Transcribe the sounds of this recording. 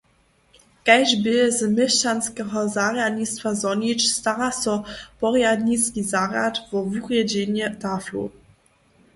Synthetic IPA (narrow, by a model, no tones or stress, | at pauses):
kɛʒbɪzmɛʃt͡ʃanskɛɦɔzaʁjad̪ɲist̪fazɔɲit͡ʃst̪aɾasɔpɔʁjad̪ɲiskizaʁja̰t̪vɔvuʁjɛd͡ʑiɲɛt̪aflṵ